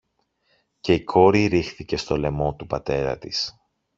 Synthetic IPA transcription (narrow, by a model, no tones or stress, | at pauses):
ce̞ikʰo̞ɾiɾixθice̞st̪o̞le̞mo̞t̪upɐt̪e̞ɾɐ̰t̪is